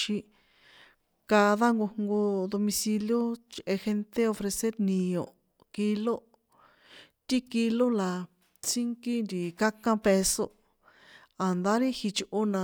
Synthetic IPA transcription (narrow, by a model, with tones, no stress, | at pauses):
ʃi˧ | ka˧ða˦ŋɡo˧ŋɡo˧ðo˧mĩ˧si˧ljo˦t͡ʃʔe˧xe˧nt̪e˦o˧fɾe˧se˦ɾnĩ˧õ˨ | ki˧lo˦ | t̪i˦ki˧lo˦la˨ | t͡si˦ŋki˦nd̪i˨ka˦kã˧pe˧so̰˧ | a˨nd̪a˦ɾi˦hi˧t͡ʃʔu˧nã˧